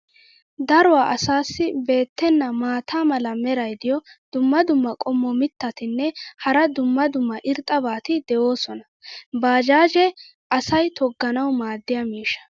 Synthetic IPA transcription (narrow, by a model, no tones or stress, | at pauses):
d̪ɐɾʊwaːʔɐsaːsːɪbe̞ːt̪ːɛnːɐmaːt̪aːmɐlɐmɛɾɐjd̪ɪjɔd̪̥ʊmːɐd̪ʊmːɐkʼɔmːɔmɪt̪ːɐt̪ɪnːɛhɐɾɐd̪ʊmːɐd̪ʊmːɐʔɪɾt̪ʼːɐbaːt̪ɪd̪ɛʔo̞ːsɔnɐ | baːd͡ʒaːd͡ʒɛ | ʔɐsɐjt̪ʰɔɡːɐnɐwmaːd̪ːɪjɐmiːʃɐ̥